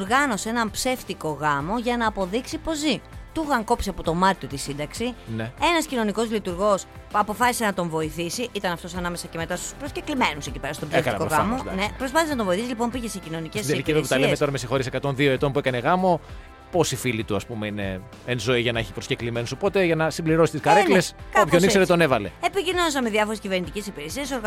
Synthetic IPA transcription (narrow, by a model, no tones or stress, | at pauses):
oɾɣɐno̞seenɐmpse̞ft̪iko̞ɣɐmo̞ʝɐnɐːpo̞ðiksipo̞zit̪uɣɐŋko̞pseɐpot̪o̞mɐɾt̪io̞t̪isind̪ɐksinee̞nɐscino̞niko̞zlit̪uɾɣo̞sɐpo̞fɐsi̥se̞nɐt̪o̞ɱvo̞iθisiʔit̪ɐnɐft̪o̞sɐnɐme̞sɐce̞me̞t̪ɐst̪u̥spɾosce̞klime̞nusecipe̞ɾɐst̪obzekɐɐkoɣɐmonepɾospɐθeznɐt̪ovoiθisilipo̞mpiʝesecino̞nicesesd̪eliciveput̪ɐlemeo̞ɾɐmesixo̞ɾisekɐt̪o̞nðio̞et̪ompue̞kɐneɣɐmo̞ | po̞sifilit̪uɐspumeine̞ | enzo̞iʝɐnɐeçi̥pɾosceklime̞nusopo̞t̪eʝɐnɐsimbliɾo̞si̥t̪iskɐɾekleskopçonikse̞ɾet̪one̞vɐle̞̰epicinons̬ɐmeðjɐfo̞ɾe̞sciveɾnit̪ice̞sipiɾesiɐso̞ɾɣ